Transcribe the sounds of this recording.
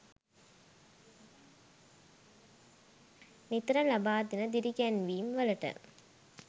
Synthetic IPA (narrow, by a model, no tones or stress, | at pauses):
nit̪ɾəlabaːd̪inəd̪iɾiɡænʋiːmʋələʈə̰